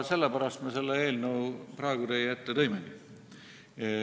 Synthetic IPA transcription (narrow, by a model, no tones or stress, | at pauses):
se̞lːepæɾɑst̪mese̞lːee̞ːlnɤwprɑeɡud̪ejjæt̪ːet̪ɤjmeni